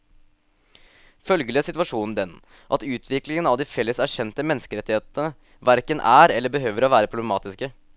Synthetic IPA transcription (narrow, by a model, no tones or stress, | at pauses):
fœlɡələsɪt̪ʋɑʂuːnn̩d̪ɛn | ʔɑt̪ʉːt̪ʰʋɪklɪŋənɑʋd̪iːfɛlːəsæɕɛnt̪əmɛnːəskəɾɛt̪ːɪeːt̪ənə | ʋæɾkənʔæːɾɛlːəɾbəɦøːʋəɾoːʋæːɾəpʰɾʊblɛmɑːt̪ɪskə